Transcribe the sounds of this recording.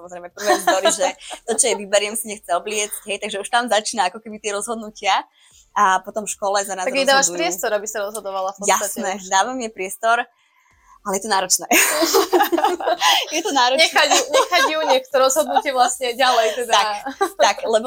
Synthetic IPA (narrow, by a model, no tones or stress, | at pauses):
samɔzɾɛjmɛpr̩ʋɛzɔɾiʒɛt̪ɔt͡ʃɔjɛʋibɛɾɪɛmsiɲɛxt͡sɛɔblɪɛt͡scɦɛjt̪aɡʒɛuʃt̪amzat͡ʃiːnaakɔkɛbit̪ɪɛɾɔzɦɔd̪nucɪa | apɔt̪ɔmfʃkɔlɛzanazaɛd̪aːʋaʃpɾɪɛst̪ɔɾabisaɾɔzɦɔd̪ɔʋalafpɔjat̪snɛd̪aːʋamɛpɾɪɛst̪ɔɾ | alɛjɛt̪ɔnaːɾɔt͡ʃnɛː | jɛt̪ɔnaːɾɔɲɛxauɲɛxaɟjuɲɛkt̪ɔɾɔzɦɔd̪nucɪɛʋlasɲɛɟalɛjt̪ɛd̪aakt̪aklɛbɔ